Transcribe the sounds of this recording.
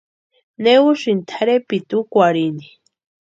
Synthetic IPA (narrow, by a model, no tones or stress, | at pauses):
neuʃint̪ʰaɾepit̪ukʷaɾini